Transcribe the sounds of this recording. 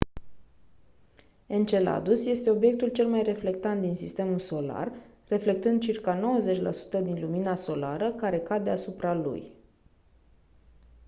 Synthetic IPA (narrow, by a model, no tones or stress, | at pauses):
e̞nt͡ʃe̞la̰d̪usje̞st̪e̞o̞bje̞k̚t̪ult͡ʃe̞lmajre̞fle̞k̚t̪ant̪̚d̪insist̪e̞mulso̞la̰rː | e̞fle̞kt̪ɨnd̪̚t͡ʃirkano̞wəze̞t͡ʃʲla̰su̥t̪əd̪inluminaso̞laɾəkaɾe̞kad̪e̞asupɾalṵj